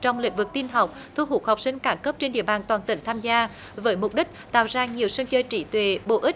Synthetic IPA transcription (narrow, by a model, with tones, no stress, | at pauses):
t͡ɕɔ˧wŋ͡mlḭ̈˧˥˦ŋ̟vɨ˨˩k̚t̪i˧nɦa˨˩wk͡p̚t̪ʰu˧ɦu˨˧˩k̚ha˨˩wk͡p̚sï˧ŋ̟kaː˧˨˦mkə˦˥p̚t͡ɕe˧nɗḭ˧˨əɓaː˨˩nt̪waː˨˩nt̪ï˧˩ŋ̟t̪ʰaː˧mzaː˧ | vəː˨˦jmʊ˨˩k͡p̚ɗi˦˥k̟̚t̪a̰ː˧˨wzaː˧ɲi˨˩əwsɨ˧ŋt͡ɕəː˧jt͡ɕi˧˦t̪we˨˩ɓo̰˧˨ʔi˦˥